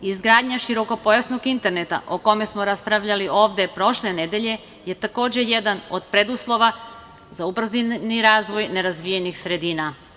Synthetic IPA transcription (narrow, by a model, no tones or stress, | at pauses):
izɡɾaːd̪ɲaʃiɾo̞ko̞po̞jasno̞ɡint̪e̞ɾnet̪a̰ʔoko̞me̞smoɾaspɾaʋʎaliʔo̞ːʋd̪e̞pɾo̞ʃlene̞d̪e̞ʎe̞ | je̞t̪ako̞ːd͡ʑe̞jed̪anod̪pɾe̞d̪uslˠo̞ʋa | zaupr̩ziniɾaːzʋo̞jne̞ɾazʋijenixsɾe̞d̪iːna